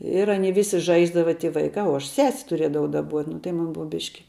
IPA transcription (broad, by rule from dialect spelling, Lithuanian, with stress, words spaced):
ɪr ˈɑːnʲiɛ ˈʋʲɪsʲɪ ˈʒɐɪzdɐʋɐ tʲɪ ˈʋɐɪkɑː uɔ ɐʃ ˈsʲɛsʲ tʊˈrʲiɛdɐʋɐʊ dɐˈbuɔtʲ nʊ tɐɪ ˈmʊn ˈbʊʋɐ ˈbʲɪʃʲkʲɪ